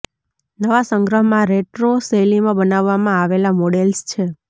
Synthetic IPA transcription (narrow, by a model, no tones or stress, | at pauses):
nəʋasəŋɡɾəɦmãɾeʈɾoselimãbənaʋːamãaʋelamɔɽelst͡ʃʰe